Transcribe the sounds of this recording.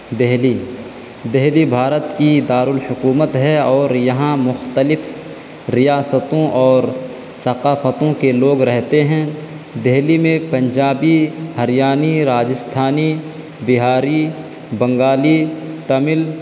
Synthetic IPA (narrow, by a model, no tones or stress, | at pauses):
d̪eɦliː | d̪ɛɦlibʱaːɾət̪kid̪aːɾʊlhʊkuːmət̪ɦɛɔːɾjɐɦãmʊxt̪əlɪf | ɾɪjaːsət̪õʔɔːɾ | sɐqaːfət̪õkeloːɡɾɛɦt̪eɦɛ̃ | d̪ɛɦlimẽpɐ̃ɲd͡ʒaːbihɐɾɪjaːniɾaːd͡ʒɪst̪ʰaːni | bɪɦaːɾi | bɐ̃ŋɡaːlit̪ɐmɪl